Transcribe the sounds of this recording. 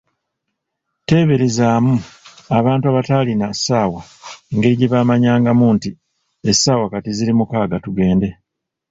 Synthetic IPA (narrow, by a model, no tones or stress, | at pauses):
te̞ːβe̞ɾezaːmuaβaːntuaβataːlinasːaːwaeŋɡe̞ɾiɟiβaːmaɲaːŋɡamuːnti | esːaːwakatiziɾimukaːɡatuɡe̞ːnde̞